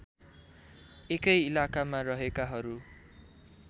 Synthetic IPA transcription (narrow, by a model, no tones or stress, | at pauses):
ekʌjilakamarʌɦekaɦʌɾu